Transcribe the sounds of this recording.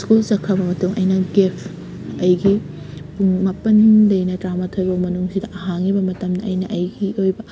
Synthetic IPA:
skult͡ʃɐkʰːɐbɐmɐtuŋɐjnɐɡepʰ | ɐjɡi | puŋmapɐnlɐjnɐtɾamatʰojbɐmɐnuŋsidɐʔɐɦaŋibɐmɐtɐmdɐʔɐjnɐʔɐjɡiojbɐ

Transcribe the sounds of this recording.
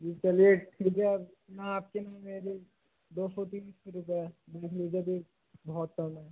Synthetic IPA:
d͡ʒit͡ʃɐlieʈʰid͡ʒe | naaːp̚kenaːmeːɾi | d̪oːsɔt̪iːnseɾʊp̬ɛb̪eːkʰlid͡ʒebʱi | bʱɔːt̪̚kəmɛ

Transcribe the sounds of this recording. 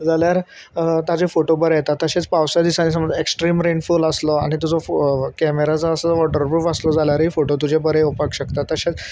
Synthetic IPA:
d͡zaljaɾ | t̪ad͡zefoʈobəɾejet̪at̪ːəɕet͡spawsjad̪isanis̬əməd͡zeksʈɾiːmɾenfuləslɔaɽ̃it̪ud͡zɔkɛmeɾat͡səəsət͡sʋɔʈəɾbɾufəslɔd͡zaljaɾɦifoʈot̪̬ud͡ʑʱebəɾeupakɕəkt̪at̪ːəɕet͡s

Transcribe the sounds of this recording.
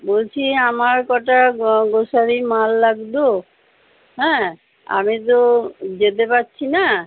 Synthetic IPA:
bolt͡ɕʰiamaɾkɔʈaɡoʃaɾimalːaɡd̪o | ɦɛ̃ | a̰mit̪̬od͡ʑet̪̬epatːɕʰina

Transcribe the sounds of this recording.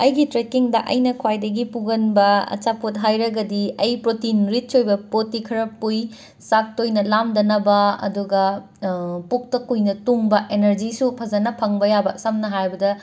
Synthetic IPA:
ɐjɡitɾekiŋdɐʔɐjnɐkʰwajdɐɡipuɡɐnbɐɐ̰t͡ʃapot̬̚ɦajɾɐɡɐdiɐjpɾotinɾit̚sojbɐpotːikʰɐɾɐpːuj | sak̚tojnɐlamdɐnɐbɐɐ̰duɡɐ | pok̚tɐkujnɐtuŋbɐʔenɐɾd͡ʒisupʰɐzɐnɐpʰɐŋbɐjabɐsɐmnɐɦajbɐdɐ

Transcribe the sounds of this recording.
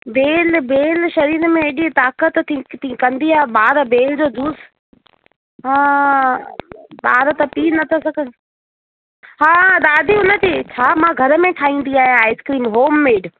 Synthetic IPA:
beːlbeːlʃɐɾiːɾmẽeɗit̪aːkət̪ʰĩt̪ʰĩkɐ̃nd̪iaːɓaːɾbeːld͡ʑoːd̪uːs | ɦãː | ɓaːɾt̪ɐpiːnɐt̪ʰasɐɡʱə̆ | ɦaːd̪aːd̪iɦʊnə̆t̪iːt͡ɕʰaːmãɡʱɐɾə̆mẽʈʰaːɦĩːn̆d̪iaːɦijãaːɪskɾiːnɦoːmːeːɖ

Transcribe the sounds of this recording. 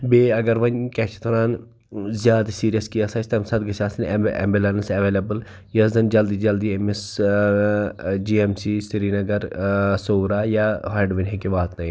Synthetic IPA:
beːɐɡɐɾʋɐnkɛːt͡ʃʰt̪oɾaːn | zjaːd̪siːɾijɐskijasɐːt͡ʃʰt̪ɐmsɐt̪ɡɐt͡ʃaːsɐnḛmbelɐnsɐʋeːlɐbəl | jɐzɐnd͡ʒɐld̪id͡ʒɐld̪iemes | d͡ʒiːemsiːsiɾinɐɡɐɾsoːɾaːjaɦaːɖʋinɦẽkiʋaːt̪nɐɦĩ

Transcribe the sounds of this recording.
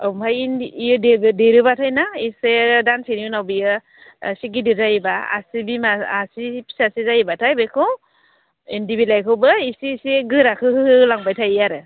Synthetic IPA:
awmajnːjɯdebdeɾɯbatʰajnaisedansiɾiunawbijɯ | siɡ̬idɯzajibaa̰sibimaasipʰi̥sasizajibatʰajbekʰɯ | endibilajkʰɯwbɯisiseɡɯɾakʰɯhɯhɯlaŋbajtʰajaɾɯ

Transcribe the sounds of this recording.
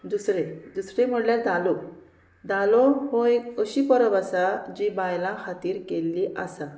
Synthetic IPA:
d̪usɾed̪usɾem̤əɽljaɾd̪alo | d̪alɔɦoekəɕipəɾəbasad͡ʑibajlãkʰat̪iːɾkelːiʔasa

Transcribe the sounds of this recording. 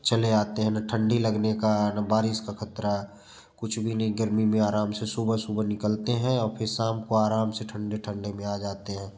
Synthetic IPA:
t͡ʃɐleaːt̪eɦɛ̃naʈʰə̃ɳɖilɐɡnekanabaːɾɪskakʰɐt̪ɾaɦɛ | kʊt͡ʃʰbʱinɐɦiɡəɾmimẽaːɾaːmsesuːbəsuːbənɪkəlt̪eɦɛ̃ɔːɾpʰɪɾsaːmkoaːɾaːmseʈʰə̃ɳɖeʈʰə̃ɳɖemẽaːd͡ʒaːt̪eɦɛ̃ː

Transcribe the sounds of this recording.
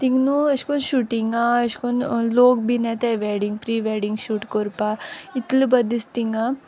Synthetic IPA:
t̪iŋɡnuɐʃkonʃuːʈiŋɡaɐʃkonloːkbinɛt̪aʋeːɾɖiŋɡpɾiːʋeːɖiŋɡʃuːʈkoɾpait̪lubɐd̪ist̪iŋɡaː

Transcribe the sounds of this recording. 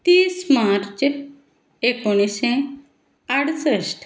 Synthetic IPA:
t̪iːsmaɾt͡ʃ | ekoñisẽ | aɽsəʃʈʰ

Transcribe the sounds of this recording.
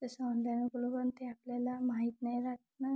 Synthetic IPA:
t̪əsand̪anuklubənt̪eapljalamaɦit̪najɾak | na

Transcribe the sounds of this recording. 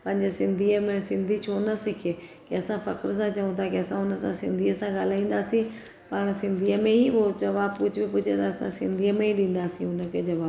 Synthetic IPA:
pɐ̃ɦɪ̃ɲd͡ʑesɪ̃nd̪ʱiːəmẽsɪ̃nd̪ʱit͡ʃʰoːnɐsɪkʰekɪɐsãfɐkɪɾs̬ãt͡ʃɐũt̪ʰakɪɐsãʊnəsãsɪ̃nd̪ʱiəsãɡaːl̤aːĩːn̆d̪aːsĩ | pɐːɽ̃sɪ̃nd̪ʱiːəmẽɦiʊd͡ʑɐʋaːbkʊd͡ʑʱʊbipʊt͡ʃʰet̪ʰaɐsã̰sɪ̃nd̪ʱiːəmẽɦiɗĩːnd̪aːsĩʊnə̆kʰeːd͡ʑɐʋaːb

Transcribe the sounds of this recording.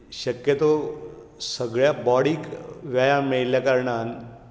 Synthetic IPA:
ɕəkjət̪o | səɡɭjabɔɽiːkʋjajamiɭljakəɾɳan

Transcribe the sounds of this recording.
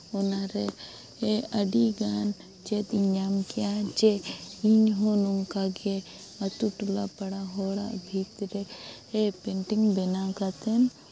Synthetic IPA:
onaɾe | eɐɖiɡaːn | t͡ʃet̪iɲd͡ʒaːmkijat͡ʃeiɲɦonuŋkaɡe | ɐt̪uʈula̰pɐɽaɦoːɽa̰bʱiːt̪ɾe | epeɳʈiŋbenãkat̪en

